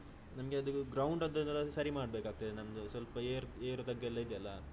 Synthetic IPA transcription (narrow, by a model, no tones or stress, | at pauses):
nɐmɐɡeɐd̪uɡɾɐwɳɖɐnd̪ɐnt̪ɐɾɐsɐɾimaːɖbeːkaːɡ̚t̪id̪enɐmd̪usʋɐlpɐeːɾeːɾut̪ɐɡːelːɐid̪jɐlːɐ